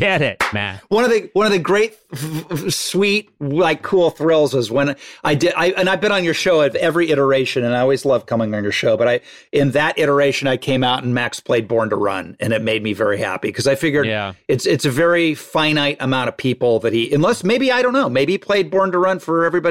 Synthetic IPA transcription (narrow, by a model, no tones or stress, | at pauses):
ɡ̥ɛɾɪt̚æ̰wʌ̃nʌvðɨwʌ̃nʌvðɨɡɹeɪt̚ | swit̚laɪkʰːulˠθɹɪlˠzwʌzwə̃nʔaɪdɪɾaɪɨ̃ñaɪvbɨ̃ñə̃njə˞ʃoʊʌvɛvɹiɪɾə˞eɪʃɨ̃nɨ̃naɪɔlˠwizlʌv̥kʰʌmɪ̃ŋɨ̃njə˞ʃoʊbʌɾaɪ | ɨ̃nðɨɾɪɾə˞eɪʃɨ̃naɪkʰẽɪ̃maʊɾn̩mækspʰl̥eɪd̚bɔɹntəɹʌ̰̃nɨ̃ñɨt̚meɪd̚mivɛ̰ɹihæ̰pḭkʰʌzaɪfɪɡjə˞ɨtsɨtsɨvɛɹifãɪ̃ñaɪɾɨmãʊ̃ɾ̃ʌv̥pʰipl̩ˠðɨt̚hiɨ̃nlɛsmeɪbiaɪɾõʊ̃nːoʊmeɪbiipʰl̥eɪd̚bɔɹntəɹʌ̃nfə˞ɛvɹibɑ